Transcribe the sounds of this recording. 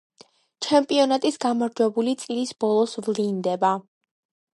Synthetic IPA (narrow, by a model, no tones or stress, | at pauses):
t͡ʃʰɛmpʼiɔnat̪ʼisɡamaɾd͡ʒwɛbulit̪sʼilisbɔlˠɔsvlind̪ɛba